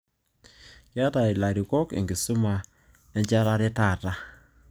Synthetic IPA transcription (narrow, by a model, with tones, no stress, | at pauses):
kja˦ta˨i˨la˨ɾi˨kɔ˦kḛ˨ŋɡɪ˨su˦ma˨ | e˦ɲt͡ʃa˦ɾa˦ɾɛ˦ta˦˨ta˦